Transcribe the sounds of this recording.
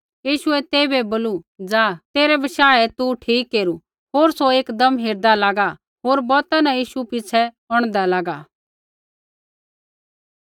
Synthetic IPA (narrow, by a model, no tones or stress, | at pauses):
jiːʃʊɛt̪eːbɛboːlud͡zaːt̪eːɾɛbɐʃaːɛt̪uʈʰiːkːeːɾu | ɦoːɾsoeːkd̪ɐmɦeːɾd̪alaːɡa | ɦoːɾbɔːt̪ãnajiːʃupɪt͡sʰɛ | ɔɽ̃d̪alaːɡaː